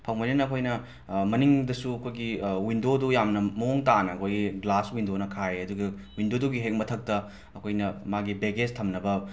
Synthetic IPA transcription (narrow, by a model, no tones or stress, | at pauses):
pʰɐwŋmojnenɐːkʰojnɐ | mɐniŋdɐsuɐkʰojɡiwindodujamnɐmɐoŋtanɐɐkʰojɡiɡlaswindonɐkʰaɾeɐduɡɐ | windoduɡiɦek̚mɐtʰɐk̚tɐ | ɐkʰojnɐmaɡibeɡed͡ʒtʰɐmnɐbɐ